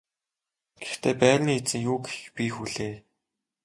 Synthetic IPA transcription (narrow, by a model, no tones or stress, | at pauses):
ɡ̥e̥xt̪ʰeːpæːrniːet͡sɘ̆ŋjuːɡxpʲiːxuɮeː